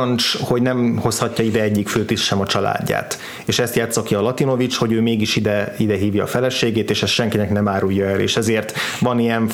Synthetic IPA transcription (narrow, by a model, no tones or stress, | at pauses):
nt͡ʃho̞ɟnɛmho̞shɒcːɒid̪ɛɛɟːikføːt̪iʃʃɛmɒt͡ʃɒla̰ːɟːa̰ːt̪ | eːʃɛst̪jaːt̪sːɒkiɒlɒt̪ino̞vit͡ʃho̞ɟøːmeːɡiʃid̪ɛid̪ɛɦiːvjɒːfɛlɛʃeːɡeːt̪eːʃɛst̪ʃɛŋkinɛknɛmaːɾujːɒɛlḛːʃɛzeːrt̪ʋɒnijɛn